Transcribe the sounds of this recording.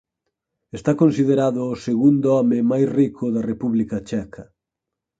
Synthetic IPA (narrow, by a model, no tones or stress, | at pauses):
est̪akonsiðeɾaðʊːseɣund̪ʊɔmɪmajsrikʰʊðɐrepuβlikɐt͡ʃɛkʰɐ